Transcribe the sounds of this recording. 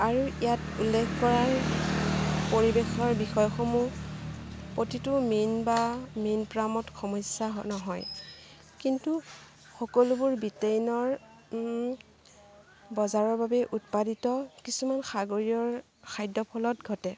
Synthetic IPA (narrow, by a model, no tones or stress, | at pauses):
aɹuijatulːekʰkɔɹaɹ | poɹibexɔɹbixɔjxomu | potituminbaminpɹamɔtxʰɔmɔjsaɦnɔɦɔj | kintu | xɔkɔlubuɹbitejnɔɹ | bɔzaɹɔɹbabɛʔutpaditɔkisumanxaɡoɹiɔɹ | kʰajdɔpʰɔlɔtɡʱɔtɛ